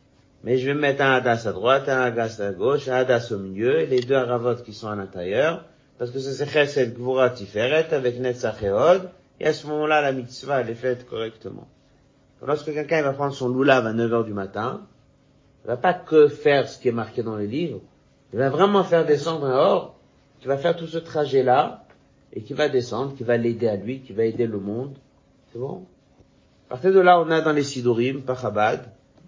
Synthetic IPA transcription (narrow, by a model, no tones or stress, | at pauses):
mɛʒəvemɛt̪χɛ̃ad̪asad̪ʁwat̪ɛ̃aɡasaɡoʃɛ̃ad̪asomiljøeled̪øaʁavɔt̪kʲisɔ̃alɛ̃t̪eʁjœʁ | paʁsə̥kəsəsɛχɛsɛt̪ɡvuʁat̪ifɛʁɛt̪avɛknɛt̪saχeɔd̪ | ḛasəmɔmɑ̃lalamit̪svaɛlɛfɛt̪kɔʁɛkt̪əmɑ̰̃ | klɔʁskəkʲɛlkʲɛ̃ivapχɑ̃nd̪ʁəsɔ̃lulavanəvœʁd̪ymat̪ɛ̃ | ilvapakəfɛʁsə̥kʲiɛmaʁked̪ɑ̃lelivʁ | ilvavʁɛmɑ̃fɛʁd̪esɑ̃d̪ʁɛ̃ɔʁ | kʲivafɛʁt̪usət̪χaʒɛla | ḛkʲivad̪esɑ̃d̪ʁəkʲivaled̪ealɥikʲivaed̪eləmɔ̃d̪ | sɛbɔ̰̃ | apaʁt̪iʁd̪əlaɔ̃nad̪ɑ̃lesid̪uʁimpaʁabad̪